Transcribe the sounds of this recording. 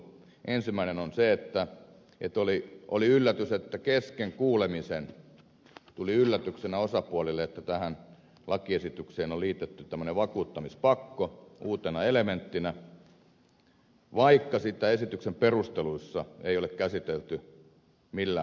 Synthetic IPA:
ʔensimːˑæinenonseet̪ːæ | ḛt̪oliʔo̰liylːæt̪yset̪ːækeskeŋkuːlemisen | t̪uliylːæt̪yksenæosɑpuɑlilːˑeet̪ːæt̪æhæn | lɑkiesit̪ykseːnolliːt̪et̪ːyt̪æmːøneʋʋɑkuːt̪ːɑmispɑkːouːt̪enɑelement̪ːinæ | ʋɑikːɑsit̪æesit̪yksemperust̪eluisːɑeijolekkæsit̪elt̪y | milːæ

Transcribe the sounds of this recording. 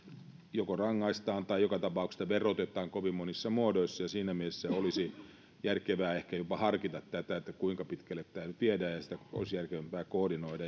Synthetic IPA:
jokorɑŋːɑist̪ɑːnt̪ɑijjokɑt̪ɑpɑˑukse̥st̪ːɑʋerot̪et̪ˑɑːŋkoʋimmonisːɑmuodoisːɑjɑsiːnæmiesːæolisi | jærkeʋæːehkæjopɑhɑrkit̪ɑt̪t̪æt̪æet̪ːækuiŋkɑpit̪kælːett̪æːnyt̪t̪iedæːjɑsi̥t̪æo̰lisijærkeʋæmpæːkoːdinoidɑ

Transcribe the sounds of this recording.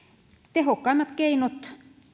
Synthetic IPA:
t̪ehokːɑimːɑt̪keinot̪

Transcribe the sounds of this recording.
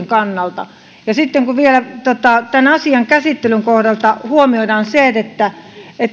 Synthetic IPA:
ŋkɑnːɑlt̪ɑ̰ | jɑsit̪ːeŋkuʋielæt̪ot̪ɑt̪ænɑsiɑŋkæsit̪ːelyŋkohdɑlt̪ɑhuomioidɑːnseːet̪et̪ːæet̪ː

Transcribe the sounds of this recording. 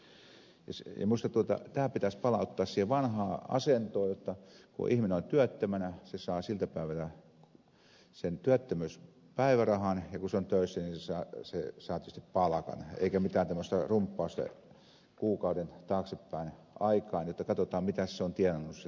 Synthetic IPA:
jɑ̰sjɑ̰muist̪ɑt̪uot̪ɑ̰t̪æːpit̪æspɑlɑut̪ːɑːssiːheʋɑnhɑːɑ̰sent̪oːjot̪ːɑkṵʔihmineont̪yæt̪ːømænæsesɑːsilt̪æpæˑiʋælæ | sent̪yæt̪ːømyˑs | pæiʋærɑhɑnjɑkuseont̪øˑisːænisesɑːsesɑːt̪ytest̪i̥ppɑlɑkɑ̰nḛikæmit̪æːnt̪æmːøst̪ɑrumpːɑust̪ɑ̰ | kuːkɑudent̪ɑːksepːæˑin | ʔɑikɑːnjot̪ːɑkɑt̪ot̪ɑːmmit̪æsseont̪ienonːusse

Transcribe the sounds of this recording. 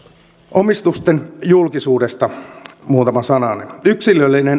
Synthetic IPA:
ʔomist̪ust̪enjulkisuːdest̪ɑmuːt̪ɑmɑsɑnɑnḛnyksilølːinen

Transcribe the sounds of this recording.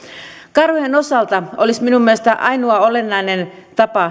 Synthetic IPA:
kɑrhujeno̞sɑlt̪ɑolisminumːiest̪æʔɑjnuɑole̞nːɑjnen | t̪ɑpɑ

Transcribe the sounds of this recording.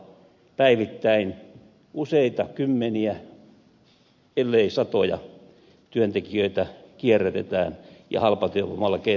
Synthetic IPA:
pæiʋit̪ːæin | useit̪ɑkymːeniæ | elːeisɑt̪ojɑ̰ | t̪yønt̪ekiøit̪ækierːet̪ḛt̪æ̰ːnjɑ̰hɑlpɑt̪euʋomɑlːɑke

